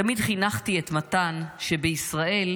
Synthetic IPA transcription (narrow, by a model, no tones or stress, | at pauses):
amid̪χinaχtiet̪mat̪anʃe̞beisʁaʔe̞l